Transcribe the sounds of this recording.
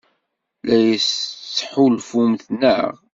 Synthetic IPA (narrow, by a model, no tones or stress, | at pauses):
læjssħulfumθnə̰ʁ